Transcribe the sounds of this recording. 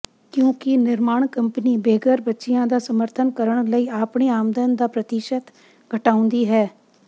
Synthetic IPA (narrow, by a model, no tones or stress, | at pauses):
kjõːkɪnɪɾmaːɳkəmpəniːbeːɡəɾbətːʃɪjãːd̪aːsəməɾt̪ʰənkəɾəɳ̃ləiːaːpɳeːaːmd̪ənd̪aːpɾət̪ɪʃət̪ | ɡʱəʈaːʊ̃nd̪iːɦɛː